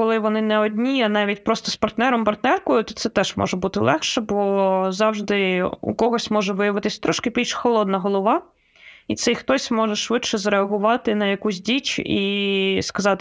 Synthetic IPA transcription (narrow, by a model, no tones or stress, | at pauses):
kɔlˠɪʋɔnɪnɛɔd̪ʲnʲiɐnɑʋʲitʲpɾɔst̪ɔspɐrt̪nɛɾɔmpɐrt̪nɛrkɔjʊt̪ɔt̪sɛt̪ɛʒmʔɔ̰ʒɛbut̪ɪlˠɛxʃɛbɔzɑwʒd̪ɪṵkɔɦɔsʲmɔʒɛʋɪjɐʋɪt̪ɪsʲt̪ɾɔʃkɪbʲilʲʃxɔlˠɔd̪nɐɦɔlˠɔʋɑ | it̪sɛjxt̪ɔsʲmɔʒɛʃʋɪtʃɛzɾeɐɦʊʋɑt̪ɪnɐjɐkusʲdʲit͡ʃiskɐzɑt̪